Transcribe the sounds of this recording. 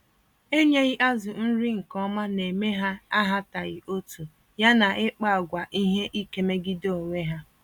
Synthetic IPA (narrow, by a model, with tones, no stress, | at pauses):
e˦ɲe˦ɣɪ˦ʔa˦zʊ˨n̩˦ɾi˦ŋ̩˨kɔ˦ma˦ne˨me˦ɦa˦a˦ɦa˦ta˨ɣɪ˨ʔo˦tu˨ | ja˦na˨ɪ˦k͡pa˦a˨ɡʷa˨ʔi˦ɦe˦ʔi˦ke˨me˦ɡɪ˦do˦˨o˨ŋʷe˦ɦa˦